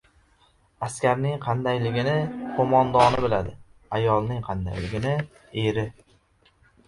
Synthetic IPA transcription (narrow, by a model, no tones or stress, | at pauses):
askʲaɾnɪŋqʰɑnd̪ajlɪɡʲɪnɪqʰomɒnd̪ɒnɪbɪlad̪ɪajɒlˠnɪŋqʰɑnd̪a̰jlɪɡʲɪnɪ | eɾɪ